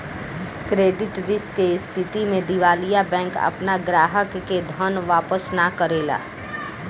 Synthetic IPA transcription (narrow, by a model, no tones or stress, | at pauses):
kɾeːɖɪʈɾɪskːeɪst̪ʰɪt̪imẽd̪ɪʋaːlijabɛ̃ːŋkɐ̰pnaɡɾaːɦəkːed̪ʱənʋaːpəsnakəɾeːla̰ː